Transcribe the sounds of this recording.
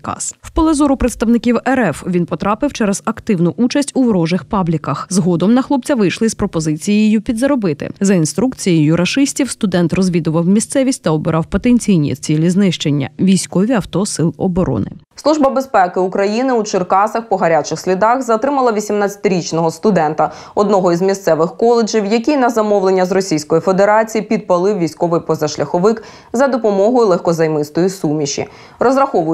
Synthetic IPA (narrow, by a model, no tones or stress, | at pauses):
kɑ̰swpɔlˠezɔɾʊpɾet̪st̪ɐwnɪkʲiwɛɾɛfʋʲinpɔt̪ɾɑpɪwt͡ʃɛɾɛz̥ɐkt̪ɪwnʊʔut͡ʃɐsʲtʲuʋɾɔʒɪxpɑblʲikɐxzɦɔd̪ɔmnɐxlˠɔp̚t͡sʲɐʋɪjʃlˠɪspɾɔpɔzɪt͡sʲijjijupʲid̪zɐɾɔbɪt̪ɪ̰zɐinst̪ɾukt͡sʲijijʊɾʔɐʃɪsʲtʲiwst̪ʊd̪ɛnt̪rɔzʲʋʲid̪ʊʋɐwmʲist̪sɛʋʲisʲtʲt̪ɐɔbɪɾʔɑwpɔt̪enʲt͡sʲijnʲḭt͡sʲilʲiznɪʃt͡ʃenʲːɐ̰ʋʲijsʲkɔʋʲiɐwt̪ɔsɪlˠɔbɔɾɔ̰nɪ̰ | slˠuʒbɐbespɛkɪukɾɐjinɪut͡ʃɪrkɑsɐxpɔɦɐɾʲat͡ʃɪxsʲlʲid̪ɑxzɐt̪ɾɪmɐlˠɐʋʲisʲimnat͡sʲɐ̥t̪ɪɾʲit͡ʃnɔɦɔst̪ʊd̪ɛnt̪ɐ | ɔd̪nɔɦɔizmʲist̪sɛʋɪxkɔlˠed͡ʒiwjɐkʲinɐzɐmɔwlˠenʲːɐzrɔsʲijsʲkɔjifed̪eɾɑt͡sʲijipʲid̪̚pɐlˠɪwʋʲijsʲkɔʋɪjpɔzɐʃlʲɐxɔʋɪk | zɐd̪ɔpɔmɔɦɔjʊlˠɛxkɔzɐjmɪst̪ɔjisumʲiʃḭ | rɔzɾɐxɔʋʊ